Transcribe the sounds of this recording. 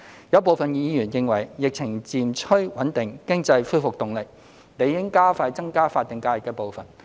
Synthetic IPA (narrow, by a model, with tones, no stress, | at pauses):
jɐ˨˧˥wp̬o˨wfɐ˨njiː˨˧jyː˨˩njɪ˨ŋwɐ˨˩jjɪ˨k̚t͡sʰɪ˨˩ŋt͡siː˨mt͡ʃʰɵ˥ɥwɐ˨˥nt̪ɪ˨ŋkɪ˥ŋt͡sɐ˧jfuː˥fʊ˨k̚t̪ʊ˨ŋlɪ˨k̚ | ne˨˧jɪ˥ŋkaː˥faː˧jt͡sɐ˥ŋkaː˥faː˧t̪̚ːɪ˨˩ŋkaː˧jɪ˨kːɛː˧po˨wfɐ˨˩n